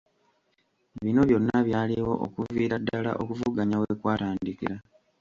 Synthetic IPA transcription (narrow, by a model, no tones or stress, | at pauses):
βino̞βjo̞nːaβjaːliwo̞̰ʔo̰kuviːɾadːala̰ʔo̞kuvuɡaɲawekwaːtaːndikiɾa